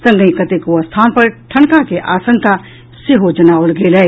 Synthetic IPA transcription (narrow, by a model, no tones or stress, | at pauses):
sə̃ŋɡəĩkət̪ekost̪ʰaːnpəɾʈʰəɳkakeʔaːsə̃ŋka | seɦod͡ʒɐnaːwəlɡeːlɛː